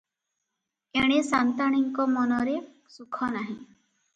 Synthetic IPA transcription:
eɽ̃esant̪aɽ̃iŋkɔmɔnɔɾe | sukʰɔnaɦĩ

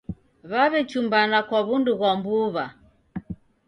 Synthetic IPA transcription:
βaβɛt͡ʃumbanakwaβunduɣwambuβa

